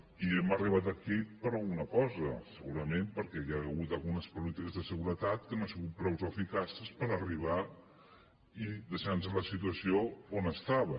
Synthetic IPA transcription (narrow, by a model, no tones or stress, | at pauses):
iɛməriβ̞at̪əkipəɾalˠɣunəkɔzəsəɣuɾəmẽmpəɾkɛjaɣut̪əlˠɣunəspulit̪ikəzðəsəɣuɾət̪at̪̚kənoasiɣut̪̚pɾɔwzofikasəspəɾəriβ̞a | iðəʃansələsit̪uəsioonəst̪aβə